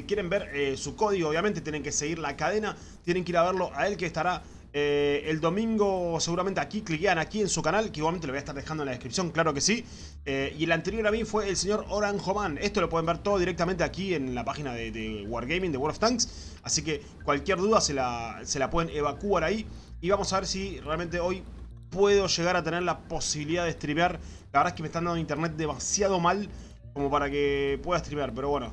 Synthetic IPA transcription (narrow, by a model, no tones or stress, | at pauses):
kjeɾe̞mbeɾesuko̞ð̞iɣoːβjament̪et̪jene̞ŋke̞se̞ɣiɾlakað̞ena | t̪jene̞ŋkiɾaβ̞eɾlo̞ʔae̞lkeːst̪aɾa | eeld̪o̞mĩŋɡo̞seɣuɾament̪eakikliɣeanakie̞nsukanalkeiɣwalmnt̪eoaeht̪aɾðexand̪onlaðekɾipsjo̞ŋklaɾo̞ke̞si | eielant̪e̞ɾjo̞ɾamifwe̞ːlse̞ɲo̞ɾoɾaŋxoβane̞st̪o̞lopwe̞ðembeɾt̪oððiɾek̪̚ament̪eakienlapaxinaðeðewaɾɣejmĩŋd̪ewoɾoft̪aŋks | asike̞ | kwalkjeɾðuðaselase̞lapwe̞ðeneβakuaɾaiː | βamo̞saβeɾsirealment̪eo̞j | pweð̞o̞ʃe̞ɣaɾat̪eneɾlapo̞siβiliðaðehst̪ɾimjaɾ | laβɾðekemest̪ananint̪eɾnet̪̚d̪emasjað̞o̞mal | ko̞mo̞paɾakepwe̞ðaest̪ɾimjaɾpeɾo̞βwe̞no̞̰